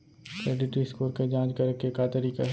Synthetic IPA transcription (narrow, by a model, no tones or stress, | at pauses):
kɾeːɖɪʈɾiskoːɾked͡ʒãːd͡ʒkɐɾkekat̪əɾiːka̰ɦ